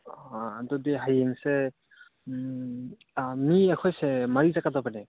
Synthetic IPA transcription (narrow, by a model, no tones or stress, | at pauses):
dɔdeɦajeŋse | miakʰɔjsemaɾizakadabane